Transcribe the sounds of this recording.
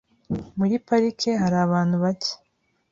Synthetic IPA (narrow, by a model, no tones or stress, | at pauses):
muɾipaɾikʰeɦaɾaːβaːn̥huβace̥